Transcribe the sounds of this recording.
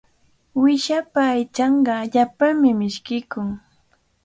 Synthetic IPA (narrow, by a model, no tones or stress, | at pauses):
wɪʃapaːjt͡ʃɑɴɢɑʎapaŋmɪmɪʃkɪkʊŋ